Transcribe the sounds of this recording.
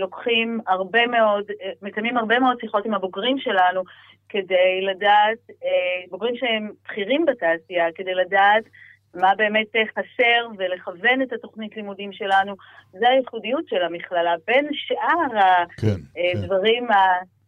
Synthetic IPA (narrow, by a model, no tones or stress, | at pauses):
lo̞kχimaʁbe̞me̞o̞dmekamimhaʁbe̞meo̞d̚siχo̞timhaboɡʁimʃe̞lanu | ke̞de̞jladaːt̚boɡʁimʃeemb̥χiʁimbataːsijake̞de̞jladaːt | mabe̞ːme̞teχase̞ʁve̞le̞χave̞netato̞χnitlimudimʃe̞lanu | zeajeχudijutʃe̞lamiχlalabe̞nʃʔaʁakdvaʁima